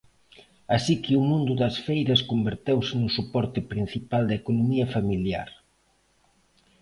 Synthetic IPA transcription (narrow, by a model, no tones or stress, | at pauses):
asikɪʊmũnd̪ʊðɐsfejɾɐskombeɾt̪ewsɪnʊsupɔɾt̪ɪpɾin̟θipald̪ɐekonomiɐfamilja̰ɾ